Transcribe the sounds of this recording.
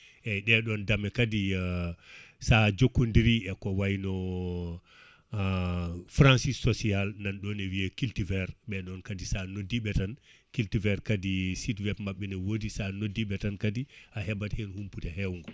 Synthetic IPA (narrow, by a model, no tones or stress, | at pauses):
ʔɛɗɛɗɔndamɛkadi | sad͡ʒokːundiɾiɛkɔwajinɔ | fɾansisːɔsialnanɗɔnɛwiɛkiltivɛɾɓɛɗɔnkadisanodiɓɛtankiltivɛɾkadisitwɛbmaɓːɛnɛwodisanodːiɓɛtankadiahɛbathɛnhumputɛɦɛwuŋɡɔ